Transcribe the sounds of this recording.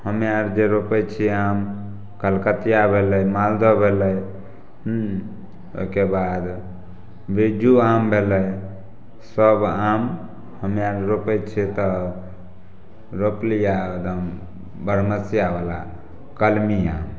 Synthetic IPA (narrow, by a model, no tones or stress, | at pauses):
həmjaɾd͡ʒeɾopɛt͡ʃʰiam | kəlkət̪jabʱelɛjmald̪ɔbʱeləj | ɦ | o̰kebad̪ | bid͡ʒuambʱeləj | səbam | həmjaɾɾopət͡ʃʰit̪ɔ | ɾoplijad̪əm | bəɾməsijabala̰ | kəlmia̰m